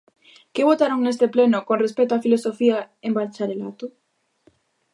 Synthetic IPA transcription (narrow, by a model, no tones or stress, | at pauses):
keβot̪aɾoŋnest̪eplenʊkõnrespɛt̪oafilosofia | embalt͡ʃaɾelat̪ʊ